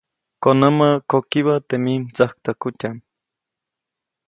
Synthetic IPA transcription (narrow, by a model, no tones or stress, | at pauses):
konəməkokiβət̪emimt͡sahk̚t̪əkutʲam